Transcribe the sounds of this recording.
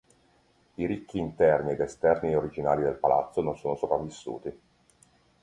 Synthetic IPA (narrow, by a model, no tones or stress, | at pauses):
iɾikːiːnt̪ɛrnied̪est̪ɛrnioɾid͡ʒinaːlid̪elpala̰t̪sːononsoːnosopɾavːisːṵːt̪i